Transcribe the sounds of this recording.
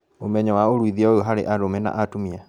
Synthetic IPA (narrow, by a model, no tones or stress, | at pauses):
omɛɲɔwaoɾwiðiaooɦaɾḛʔaɾomɛna̰ʔatomia